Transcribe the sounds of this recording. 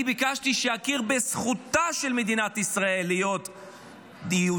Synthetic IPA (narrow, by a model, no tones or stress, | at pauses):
ibikaʃt̪iʃehakiʁbesχut̪aʃe̞lme̞d̪inat̪isʁae̞lijo̞t̪ | diu